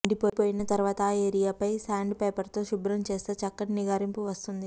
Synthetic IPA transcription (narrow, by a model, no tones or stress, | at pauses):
ɐɳɖipoːpoːjinɐt̪ɐɾuʋaːt̪ɐeːɾijaːpɐjsaːɳɖpeːpɐɾt̪o̞ːʃubɾɐmt͡ʃe̞ːst̪eːt͡ʃɐkːɐʈiniɡaːɾimpuʋɐst̪und̪i